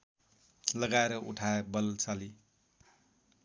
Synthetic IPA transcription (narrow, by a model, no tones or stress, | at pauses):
lʌɡaeɾʌʔuʈʰaebʌlt͡sali